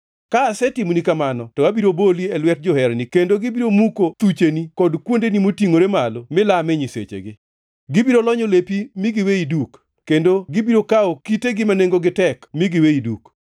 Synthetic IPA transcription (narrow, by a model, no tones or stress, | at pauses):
kaːsɛtimnikamanɔtɔwabiɾoboliɛlwɛt̚d͡ʒohɛɾnikendoɡɪbiɾomukot̪ut͡ʃenikɔdkwondenimotiŋoɾemalomɪlamɛɲisḛt͡ʃḛɡɪ | ɡɪbiɾolɔɲolepimiɡɪweidukː | endoɡɪbiɾokaokiteɡɪmaneŋɡoɡɪtɛkmiɡɪweiduk